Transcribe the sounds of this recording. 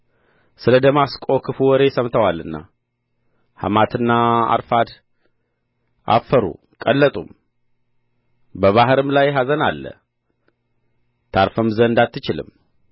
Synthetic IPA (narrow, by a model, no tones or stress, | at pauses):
sɨləd̪əmaskʼo̞kʰɨfuwɔɾe̞səmt̪ʰəwalːɨnːa̰ | ha̰mat̪ʰɨnːaa̰ɾfad̪ | ʔa̰fːəɾṵ | kʼəlːət̪ʼṵm | bəβaɦɾɨmlajɦazənalːə̰ | t̪ʰaɾfəmzənɨnd̪at̪ːɨt͡ʃɪlɨ̰m